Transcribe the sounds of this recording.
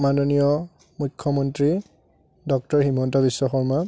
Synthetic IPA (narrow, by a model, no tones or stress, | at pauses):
manɔnijɔ | mukʰːɔmɔntɹi | dɔk̚tɔɹhimɔntɔbisːɔxɔɹma